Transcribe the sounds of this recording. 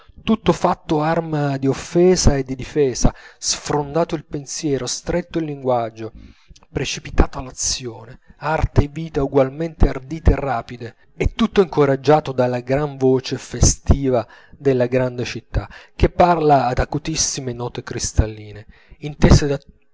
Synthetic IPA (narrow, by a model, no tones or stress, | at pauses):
t̪ut̪ːofat̪ːoarmad̪iofːɛːzaed̪ːid̪ifɛːzasfɾond̪aːt̪oilpensjɛːɾost̪ɾɛt̪ːoilːiŋɡwad͡ʒːo | pɾet͡ʃipit̪aːt̪oalːat̪sːjoːneart̪eːvːiːt̪auɡwalment̪eard̪iːt̪eːrːaːpid̪e | ɛt̪ːut̪ːoiŋkoɾad͡ʒːaːt̪od̪alːaɡɾaɱvoːt͡ʃefest̪iːva | d̪elːaɡɾand̪et͡ʃit̪ːak̟epːarlaːd̪akut̪isːimenɔːt̪ekɾist̪alːiːne | int̪ɛsed̪a